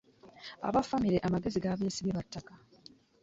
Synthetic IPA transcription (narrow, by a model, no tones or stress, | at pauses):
a̰βafamiɾe̞ʔamaɡe̞ziɡaːβeːsiβeβatːaka